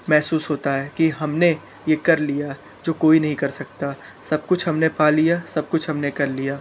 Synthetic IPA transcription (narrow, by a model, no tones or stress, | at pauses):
mɛɦsuːsɦoːt̪aɦɛːkiɦɐmne | jekɐɾlija | d͡ʒoːkoːinɐɦĩkɐɾsɐkt̪a | sɐb̚kʊt͡ʃʰɦɐmnepaːlijasɐb̚kʊt͡ʃʰɦɐmnekɐɾlijaː